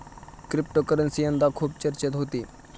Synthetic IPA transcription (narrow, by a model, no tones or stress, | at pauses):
kɾɪp̚ʈokəɾənsiə̃nd̪akʰuːb̚t͡ʃəɾt͡ʃət̪ɦoːt̪iː